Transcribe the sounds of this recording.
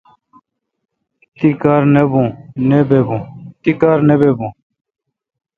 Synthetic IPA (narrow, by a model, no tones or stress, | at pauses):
t̪iːkaːɾnebũːneːbeːbũːt̪iːkaːɾneːbeːbũː